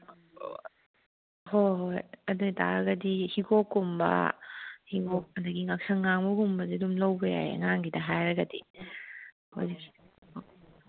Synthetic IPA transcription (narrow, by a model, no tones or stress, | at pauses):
hojɦojɐduɡitʰa̰ɾɐɡɐdihiɡokːumbɐ̰hiɡok̚ɐdɐɡiŋak̚sɐŋːaŋmuɡumbɐzidumlɐwbɐja̰ḛŋaŋɡidɐɦajɾɐɡɐdi | ho̰jzii